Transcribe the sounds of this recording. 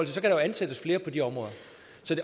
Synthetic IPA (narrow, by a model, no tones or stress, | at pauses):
l̰t͡sʰesɒkʰæɾɑ̈joænsed̥əsfle̝ːɐpʰɒ̽d̥iɒ̽mʁɔ̽ːðˠɐ | sɒ̽d̥e̝